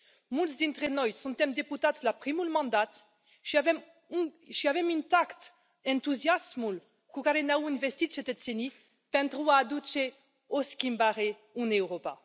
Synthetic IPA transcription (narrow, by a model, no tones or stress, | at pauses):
mult̪s̬d̪int̪ʁenɔjsɔ̃nt̪ɛmd̪eput̪at̪slapχimulmɑ̃nd̪at̪ | ʃiavɛm | ʃiavɛmynt̪akt̪ | ɛ̃nt̪uzjasmul | kukaɾenauynvɛst̪it̪ʃet̪ɛt̪seni | pɛnt̪ɾuaːd̪ut͡ʃe | oskimbaʁe | unɛwʁopa̰